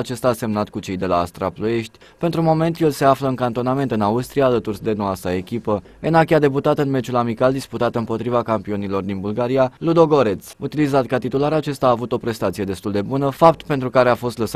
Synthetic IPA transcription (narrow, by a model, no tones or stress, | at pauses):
t͡ʃe̞st̪aːse̞mnat̪kut͡ʃe̞jd̪e̞la̰ːst̪ɾa̰plue̞ʃt̪ʲ | pent̪ɾumo̞me̞nt̪je̞lse̞afləɨŋkant̪o̞name̞nt̪ɨnaust̪ɾijaːlət̪urd̪e̞noasae̞kʲipə | e̞nakʲiad̪e̞p̬ut̪at̪ɨnme̞t͡ʃulamikald̪isput̪at̪ɨmpo̞t̪ɾivakampio̞nilo̞rd̪inbulɡaɾijalud̪o̞ɡo̞ɾe̞t̪sut̪ilizat̪kat̪it̪ulaɾat͡ʃe̞st̪aaːvut̪o̞pɾe̞st̪at̪sije̞d̪e̞st̪uld̪e̞bunəfap̚t̪pent̪ɾukaɾe̞afo̞st̪ləs